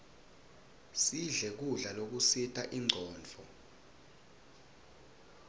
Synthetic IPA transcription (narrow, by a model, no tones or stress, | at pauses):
siɮɛk̬uɮalok̬usitʼaʔiŋ͡ǀʱɔːnd͡vʱɔ